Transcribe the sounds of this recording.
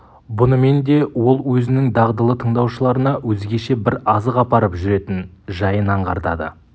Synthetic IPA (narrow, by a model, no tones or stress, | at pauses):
bʊnəme̞nd̪e̞wo̞lˠwɵzɪnɪŋd̪ɑʁd̪əlˠət̪ʰəɴd̪ɑwʃəlˠɑɾənɑwɵzɡʲe̞ʃe̞bɪɾɑzəqɑpɑɾəpʒʏɾe̞t̪ɪnʒɑjənɑɴʁɑ̰ɾd̪ɑ̰d̪ə̰